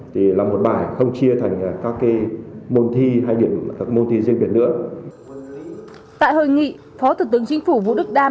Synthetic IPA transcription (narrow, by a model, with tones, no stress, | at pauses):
t̪ʰi˨˩laː˨˩mo˨˩t̚ɓaː˨˩jxə˧wŋ͡mt͡ɕi˧ət̪ʰa˨˩jŋ̟aː˨˩kaː˦˥kːaː˨˦jmo˧nt̪ʰi˧ɦaː˧jɗi˧˩əm˨˩kaː˦˥mo˧nt̪ʰi˧zɨ˧ŋɓi˨˩ənɨ̰˧˥ə | t̪a̰ː˧˨jɦo˧˩jŋḭ˧˨ | fɔ˨˦t̪ʰu˧˩t̪ɨ˨˦əŋt͡ɕï˨˦ŋ̟fu˧˩vṵ˧˨ɗɨ˦˥k̚ɗaː˧